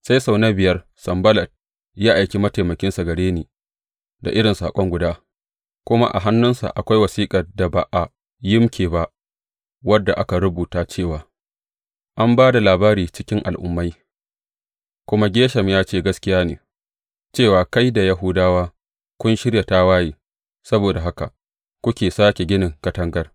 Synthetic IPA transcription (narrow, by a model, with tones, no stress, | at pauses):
sa˦jsa˨wna˦bɪ˨jɐ˦r | sɐ˨mbɐ˦lɐ˨d̚ | jaː˦ʔa˨jkʲi˦mɐ˦ta˨jmɐ˨kʲɪ˦nsa˨ɡɐ˨ɽeː˦neː˨ | da̰˨ʔɪ˦ɽɪ˨nsaː˨kʷʼɔ˦ŋɡʷʊ˨daː˦ | kʷʊ˦ma̰˦ʔa̰˨ɦa˦nːʊ˦nsa̰˨ʔa̰˨kʷa˦jwɐ˨siː˦kʼɐ˨rda˨ba˨ʔa˨ | jɪ˦mkʲeː˨ba˨ʔ | wɐ˦dːa˨ʔa˦ka˨ɾʊ˦buː˨taː˦t͡ʃeː˦˨waː˨ | ʔa˦mbaː˦da˨laː˨baː˦ɾiː˨t͡ʃɪ˦kʲɪ˦ŋʔa̰˨lʔʊ̰˦mːa˦j | kʷʊ˦ma˦ɡʲeː˦ʃɐ˨mjaː˦t͡ʃeː˦˨ɡɐ˦skʲɪ˦jaː˦nḛː˨ | t͡ʃeː˦˨waː˨ka˦jda˨ja˦ɦʊ˦daː˦waː˦ | kʷʊ˦nʃɪ˦ɾja˨ta˦waː˦jiː˨ | sɐ˦boː˨da˨ɦa˦ka̰˨ | kʷʊ˦kʲeː˨saː˦kʲe˨ɡʲɪ˦nɪ˨ŋkɐ˦tɐ˦ŋɡɐ˦r